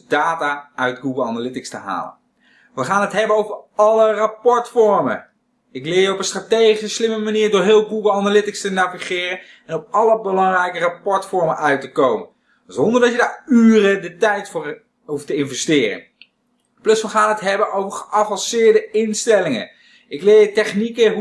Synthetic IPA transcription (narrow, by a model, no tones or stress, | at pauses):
daːtaːœɥtɡuɡəlˠɑnalɪtɪkstəɦa̰ːlə̰n | ʋəχaːnətɦɛbənowvəɹɑlərapɔɹtfɔɹmə̰n | ɪklɪːɹjəɔpənstratejχisəslɪməmaniːɹdoːɹɦɪːlˠɡuɡəlˠɑnalɪtɪkstənaviχɪːrən | ɛnɔp̚ɑləbəlɑŋrɛjkərapɔɹtfɔɹmənʔœɥtəkowmə̰n | zɔndəɹdɑtjədaːɹyːrədətɛjtfʊːɹ | ɦuftəɪnvɛstɪːrə̰n | plɵsʋəχaːnɦətɦɛbənʔowvəɹχəʔɑvɑnsɪːɹdəɪnstɛlɪŋə̰n | ɪklɪːɹjətɛχnikəɦ